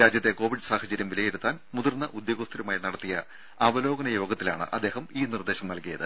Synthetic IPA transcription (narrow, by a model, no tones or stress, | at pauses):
ɾaːd͡ʑjɐt̪ːe̞ko̞ːʋiɖɨsaːhɐt͡ɕɐɾjɐmʋilɐjiɾut̪ːaːnmuðɐrnːɐʔud̪joːɡɐst̪ʰɐɾumaːjinɐɽɐt̪ːijɐ | aːbɐlo̞ːɡɐnɐjo̞ːɡɐt̪ːila̰ːɳɨ̰ʔɐd̪ːe̞ːhɐmiːnird̪e̞ːɕɐmnɐlkijɐðɨ̰